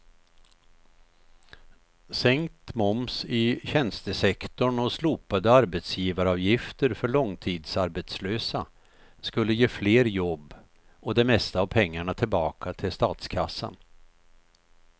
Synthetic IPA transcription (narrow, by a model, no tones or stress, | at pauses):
sɛŋkt̪mɔmsɪɕɛnst̪əsɛkt̪ɔɳɔsluːpad̪əaɾbɛt̪sjiːvaɾɑːvjɪft̪əɾfœɭɔŋt̪ʰiːd̪saɾbɛt̪sløːsa | skɵlːəjeːfleːɾjɔbː | ɔd̪ɛmɛst̪aːvpʰɛŋːaɳat̪ʰɪlbɑːkʰat̪ʰɪlst̪ɑːt̪skʰasːə̰n